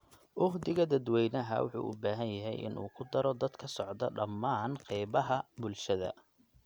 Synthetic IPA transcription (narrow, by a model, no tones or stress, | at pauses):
ʔʊχd̪ɪɣɐd̪ɐd̪wɛjnɐɦɐ̰wɑ̰ħṵːʔʊbaːɦɐnjɐɦɛjʔɪ̰nṵːkʰʊd̪ɐɾɔd̪ɐd̪kʰɐsɔʕd̪ɐ̰ɖɐmːaːnqɛjβɐɦɐbʊlʃɐðɐ̰